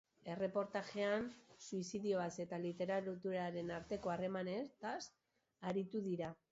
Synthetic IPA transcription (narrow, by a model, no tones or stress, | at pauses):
e̞re̞po̞ɾt̪aʝe̞ansuisiðio̞βase̞t̪alit̪e̞ɾaɾt̪uɾaɾe̞naɾt̪e̞ko̞are̞mane̞t̪as | aɾit̪uðiɾa